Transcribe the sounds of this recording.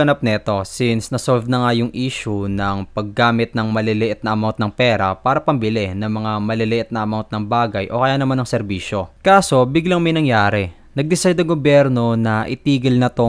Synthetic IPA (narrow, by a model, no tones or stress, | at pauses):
ɐnap̚nɛt̪o̞sinsnɐsolvnɐŋajʊŋʔiːʃʊnɐŋpɐɡ̚ːaːmɪt̪̚nɐŋmɐlɪlɪʔɛt̪nɐʔɐmawnt̪̚nɐŋpɛːɾɐ̰paːɾɐpɐmbɪlɛnɐŋmɐŋamɐlɪlɪʔɛt̪̚nɐʔɐmawnt̪̚nɐŋbaːɡɐjʔo̞kɐjaːnɐmanɐŋsɛɾbiːʃo̞kaːso̞bɪɡlaŋmɐjnɐŋjaːɾɛ | nɐɡ̚d̪ɪsajd̪ɐŋɡobjɛɾno̞nɐʔɪt̪iːɡɐlnɐt̪o